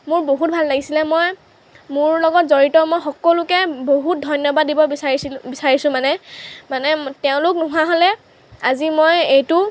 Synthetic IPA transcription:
mʊɹboɦut̚bʱalːaɡisilɛmoj | mʊɹlɔɡɔtzoɹitɔmojxɔkɔlʊkɛboɦut̚dʱɔjnjɔbadːibɔbisaibisaɹisʊ̃manɛmanɛtɛʊ̃lʊk̚nʊɦuaɦolɛ | azimojejtʊ

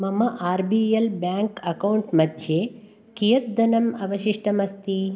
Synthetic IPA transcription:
mɐmɐʔaːɾbijelbjaːŋkɐkɐwɳʈmɐd̪ʱjeː | kijɐt̪̚d̪ɐnɐmɐʋɐʃiʂʈɐmɐst̪i

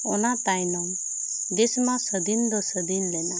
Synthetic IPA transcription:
ɔnat̪ajnɔm | d̪esmasəd̪ind̪ɔsəd̪inlɛna

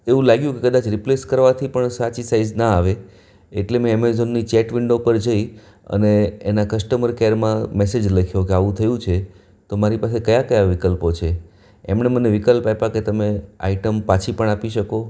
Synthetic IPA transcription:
eʋũlaɡjũkekəd̪at͡ʃɾipleskəɾʋat̪ʰipəɳsat͡ʃisaid͡ʒnaaʋe | eʈlemɛ̃ɛmezonːit͡ʃɛʈʋɪɳɖopəɾd͡ʒəi | ə̰neːnakəsʈəməɾkeɾmãmesed͡ʒləkʰjokeaʋũt̪ʰəjũt͡ʃʰe | t̪omaɾipas̬ekəjakəjaʋikəlpot͡ʃʰe | emneməneʋikəlpapaket̪əmea̰iʈəmpat͡ʃʰipəɳapiʃəko

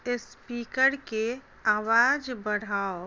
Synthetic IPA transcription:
ɪspiːkəɾke | aːʋaːd͡ʒbəɽ̤aːo

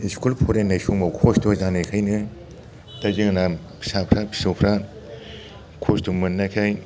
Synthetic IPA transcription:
iskulpʰoɾenːajsuŋmawkʰostozanɯkʰajnɯ | tazɯŋna | pʰi̥sapʰɾapʰi̥sopʰɾa | kʰostɔmɯnːakʰaj

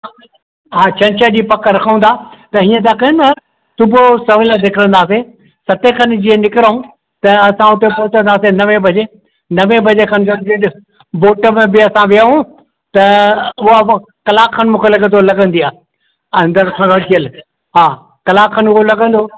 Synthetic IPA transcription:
ɦaːt͡ɕɐ̃nt͡ɕəd͡ʑipɐkʰɾɐkʰəũnd̪aːt̪ɐɦiːə̃t̪ʰakɐɦna | sʊbosɐʋəlãd̪ɪkʰɪɾə̃nd̪aːse | sɐt̪ekʰɐn̆d͡ʑiə̃nɪkɪɾaɦũ | t̪ɐɐsãʊt̪epoɦt̪ə̃nd̪aːsenɐʋẽbʱɐd͡ʑe | nɐʋẽbʱɐd͡ʑekʰɐnsɐnd͡ʑɪɗ̆ | boːʈəmẽbɪɐsãʋijaːɦũ | t̪ɐʊɦa | kɐlaːkʰːənmũːkʰelɐɡə̃t̪ʰolɐɡə̃nd̪iaː | ɐ̃nd̪əɾkʰãɡɐɽt̪ʰiəl | ɦaː | kɐlaːkkʰːənʊɦolɐɡə̃nd̪oː

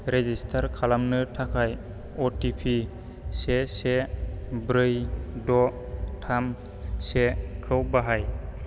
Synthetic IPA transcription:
ɾezistʰaɾkʰalamnɯtʰakʰaj | ɔtipʰi | sesebɾɯjdɔ | tʰam | sekʰɯwbaɦaj

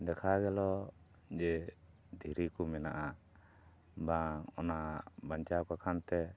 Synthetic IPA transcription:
d̪ɛkʰaɡɛlɔ | d͡ʒɛ | d̪ʱiɾikumɛnaʔa | baɔnabaɲt͡ʃakakʰant̪ɛ

